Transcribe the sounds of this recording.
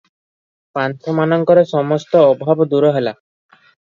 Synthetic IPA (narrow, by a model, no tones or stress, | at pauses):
pant̪ʰɔmanɔŋkɔɾesɔmɔst̪ɔːbʱabd̪uɾɔɦela